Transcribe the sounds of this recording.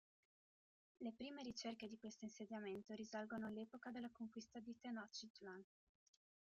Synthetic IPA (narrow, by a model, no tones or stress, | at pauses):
lepɾiːmeɾit͡ʃerked̪ikwest̪oinsed̪jament̪oɾizalɡonoalːeːpokad̪elːakoŋkwist̪ad̪it̪enɔt͡ʃːit̪lan